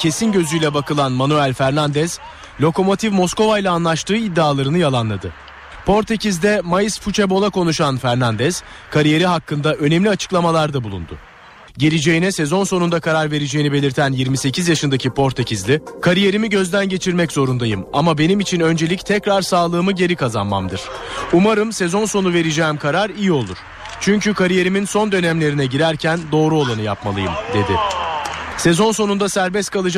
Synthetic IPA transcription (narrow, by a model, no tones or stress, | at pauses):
cʰe̞sinɟø̞zyjlʲɛbakʰɯlˠanmanuælʲfæɾnand̪ɛz̥ | lʲo̞ko̞mo̞t̪ʰivmo̞sko̞vajlʲˠaːnlˠaʃt̪ɯːid̪ːaːlˠaɾɯnɯjalˠanlˠad̪ɯ | pʰo̞ɾt̪ʰecizd̪ɛmajɯsfut͡ʃʰebo̞lˠako̞nuʃanfæɾnand̪ɛz̥ | kʰaɾije̞ɾiɦakʰːɯnd̪aʔønemlʲiat͡ʃʰɯ̥klˠamalˠaɾd̪abulˠṵnd̪ʊ̰ | ɟe̞lʲid͡ʒe̞jinɛse̞zo̞nso̞nund̪akʰaɾaɾve̞ɾed͡ʒe̞jinibe̞lʲiɾt̪ʰænjiɾmise̞cʰizjaʃɯnd̪acʰipʰo̞ɾt̪ʰecizlʲikʰaɾije̞ɾimiɟø̞zd̪ænɟe̞t͡ʃʰiɾmɛczo̞ɾund̪ajɯmamabe̞nimit͡ʃʰinønd͡ʒelʲict̪ʰɛcɾaɾsaːlˠɯːmɯɟe̞ɾikʰazanma̰md̪ɯɾ̥umaɾɯmse̞zo̞nso̞nuve̞ɾid͡ʒeːimkʰaɾaɾijio̞lˠuɾ̥ | t͡ʃʰyɲcykʰaɾije̞ɾiminso̞nd̪ø̞næmlʲe̞ɾinɛɟiɾæɾcʰænd̪o̞ːɾuo̞lˠanɯjapmalˠɯjɯmd̪e̞d̪ɪ | sezo̞nso̞nund̪asæɾbɛst̪kʰalˠɯd͡ʒ